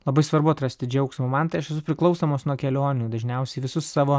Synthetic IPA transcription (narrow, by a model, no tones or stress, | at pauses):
lˠɐbɐɪsʋɐɾbʊɐt̪ɾɐsʲt̪ʲɪd͡ʒʲɛʊksmumɐnt̪ɐɪɐʃɛsʊpʲɾʲɪklˠɒʊsoːmoːsnuɔkʲɛlʲoːnʲuːd̪ɐʒʲnʲɛʊsʲɛɪʋʲɪsʊsːɑːʋoː